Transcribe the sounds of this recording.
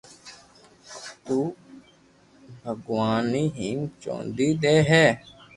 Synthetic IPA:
t̪uː | bʱəɡʋaːniːɦiːmt͡ʃõ̰ːnd̪iːd̪eːɦɛː

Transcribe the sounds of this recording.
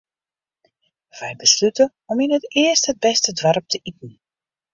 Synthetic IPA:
v̥ɛjbəslytə | ɔminɦətɪəsthəd̚bɛstədʋaɾp̚tʰəʔitn̩

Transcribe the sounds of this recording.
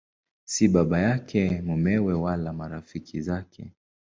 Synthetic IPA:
siɓaɓajakʰɛmumɛwɛwalamaɾafikʰizakʰɛ̰

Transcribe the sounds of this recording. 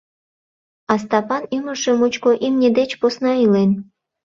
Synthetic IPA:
ɑs̬t̪ɑpɑnyməʒemut͡ɕkoʔimnʲed̪et͡ɕposnɑilen

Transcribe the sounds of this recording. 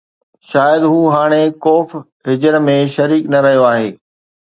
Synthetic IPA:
ʃaːjəd̪ɦuːɦaːɽ̃ekoːf | ɦɪd͡ʑəɾmẽʃɐɾiːknɐɾɐɦijoaːɦeː

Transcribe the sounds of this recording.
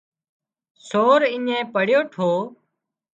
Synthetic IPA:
soːɾiɲẽːpəɽjoːʈʰoː

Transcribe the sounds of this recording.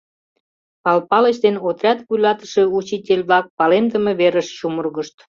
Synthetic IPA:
ɑlpɑləɕd̪enot̪rʲɑt̪βujlɑt̪ə̥ʃe̽ut͡ɕit̪ʲelʲβlɑk̚pɑlemd̪əmeβeɾəʃɕumərɣəʃt̪

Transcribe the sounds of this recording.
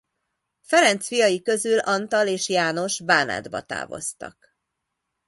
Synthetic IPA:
fɛɾɛnt̪sfijɒjikø̞zylɒnt̪ɒleːʃjaːno̞ʃbaːna̰ːd̪bɒ̰t̪a̰ːvo̞̰st̪ɒ̰k

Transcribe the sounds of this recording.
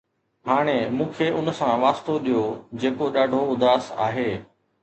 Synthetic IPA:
haːɽ̃emũːkʰeʔʊnsãʋaːst̪oɗijod͡ʑeːkoɗaːɖʱoʊd̪ʱaːsa̰ːɦeː

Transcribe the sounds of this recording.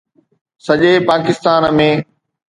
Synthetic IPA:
sɐʄeːpaːkɪst̪aːnmẽː

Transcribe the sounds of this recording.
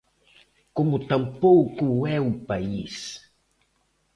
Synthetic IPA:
komʊt̪ãmpowkuɛupais

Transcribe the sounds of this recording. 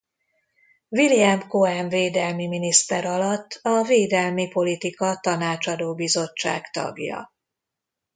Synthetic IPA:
viliɛmkoɛɱveːd̪ɛlmiminist̪ɛɾɒlɒt̪ːɒveːd̪ɛlmipo̞lit̪ikɒt̪ɒnaːt͡ʃɒd̪oːbizo̞t͡ʃːa̰ːkt̪ɒ̰ɡjɒ̰

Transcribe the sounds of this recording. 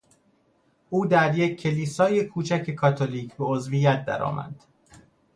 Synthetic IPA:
ʔuːd̪æɾjecʰːe̞liːsɒːjekʰuːt͡ʃʰæcʰe̞kʰɒːt̪ʰoliːcʰbe̞ozvijæt̪̚d̪æ̰ɾɒ̰ːmʔæ̰d̪̥

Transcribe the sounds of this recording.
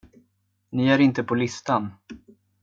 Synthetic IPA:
nɪæɾɪnt̪əpʰɔlɪst̪an

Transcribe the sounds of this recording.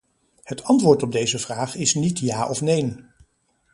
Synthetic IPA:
hətʰɑntʋʊːɹtɔb̚dejzəvraːχɪsnitjaːʔɔfnejn

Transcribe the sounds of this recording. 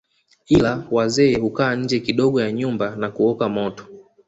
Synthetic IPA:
ilawazɛːhukaːɲ̩d͡ʒɛkiɗɔɠɔjaɲumbanakuɔkamɔtɔ̥

